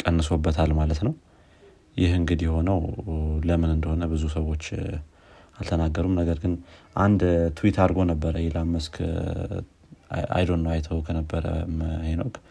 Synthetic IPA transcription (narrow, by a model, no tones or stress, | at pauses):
kʼənːɨso̞bːət̪ʰalmalət̪nəw | jɪhɨŋɡɨd̪jɛho̞nəwləmɨnɨnd̪əho̞nəbɨzusəwo̞t͡ʃː | alt̪ʰənaɡːəɾumnəɡəɾɡɨnʔand̪t̪ʰuwit̪ʰaɾɡo̞nəbːəɾəjɛlamːəskʰ | a̰jd̪o̞nːəwajt̪ʰəwkʰənəbːəɾə̰məheno̞kʼ